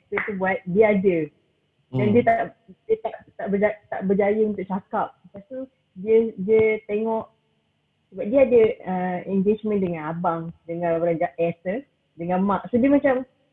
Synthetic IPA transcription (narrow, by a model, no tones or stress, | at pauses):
sət̪ubuat̪̚diəadə | dandiət̪aʔ | diət̪at̪aʔbəd͡ʒat̪a̰ʔbəd͡ʒajəunt̪ʊʔ̚t͡ʃakap̚past̪u | diədiət̪eŋɔʔ | səbap̚diəadəəɛŋɡed͡ʒmə̃ndəŋãnabaŋdəŋãnlabəlaɲd͡ʒaʔɛsə | dəŋãnmãʔ̚sodiəmãt͡ʃam